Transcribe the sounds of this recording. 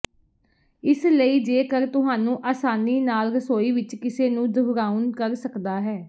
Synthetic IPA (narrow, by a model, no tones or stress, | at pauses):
ɪsləiːd͡ʒeːkəɾt̪ʊɦaːnũːʔaːsaːniːnaːlɾəsoːiːʋɪt͡ʃkɪseːnũːdəɦɾaːunkəɾsəkd̪aːɦɛː